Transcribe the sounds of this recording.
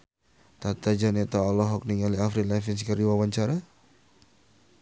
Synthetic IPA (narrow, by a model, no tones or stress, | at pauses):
t̪at̪ad͡ʒanɛt̪aɔlɔɦɔk̚niŋaliafɾilɛfinskərɾiwawaɲt͡ʃaɾa